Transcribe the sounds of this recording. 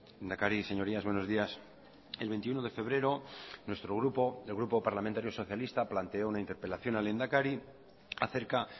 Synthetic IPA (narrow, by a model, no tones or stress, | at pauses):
lend̪akaɾise̞ɲo̞ɾiazβwe̞no̞zðias | elβe̞nt̪iuno̞ðe̞fe̞βɾe̞ɾo̞nwe̞st̪ɾoɣɾupoðelɣɾupo̞paɾlament̪aɾjo̞so̞θjalist̪aplant̪eounaint̪e̞ɾpe̞laθjo̞nale̞nd̪akaɾi | aθe̞ɾka